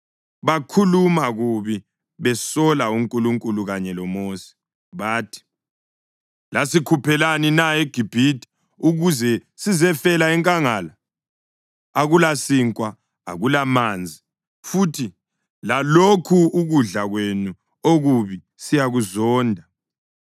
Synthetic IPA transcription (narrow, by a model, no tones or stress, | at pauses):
βakʰulumaɣuβi | βɛsɔlauŋkʼuluŋkʼuluɣaɲɛlɔmoːsi̥ | βaːtʰi̥ | lasikʰupʰɛlaninaeɡ̥ʱib̥ʱitʰʼi̥ | uɣuzɛsizɛfɛlaɛŋkʼaŋala | aɣulasiŋkʼwa | a̰ɣulamaːnd͡zʱi | futʰi | lalokʰuːɣuɮaɣwenu | oɣuβi | sijaɣuzɔːndʱa